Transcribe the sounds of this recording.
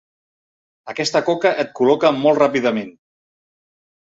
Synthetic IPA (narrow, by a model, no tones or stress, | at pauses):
əkɛst̪əkɔkəʔət̪̚kulɔkəmɔlˠt̪rapiðəmen